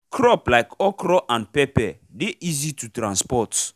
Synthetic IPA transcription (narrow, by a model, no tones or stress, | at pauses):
kʰɹɔplaɪkɔkɾɔʔãnpɛpɛ | deʔizitutɾãnspɔt